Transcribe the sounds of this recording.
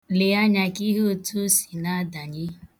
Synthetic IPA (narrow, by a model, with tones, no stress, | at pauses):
le˨a˦ɲa˨ki˦ɦu˦˨tu˦si̥˨na˦a˦da˨ɲɪ˦